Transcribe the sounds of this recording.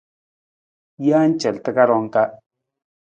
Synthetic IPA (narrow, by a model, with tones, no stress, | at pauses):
ja˦n˦t͡ʃɛ˨ltə˦ka˦ɾɔ˨˦ŋka˦